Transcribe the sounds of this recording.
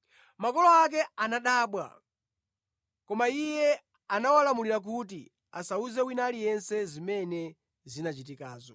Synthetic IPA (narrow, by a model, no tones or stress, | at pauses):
makɔlɔak̬ɛanaɗaːɓwa̰ | kɔmaijɛ | anawalamuliɾak̬ut̬i | a̰sauzɛwinalijɛnsɛzimɛnɛ | zinat͡ʃit̬ikaːzɔ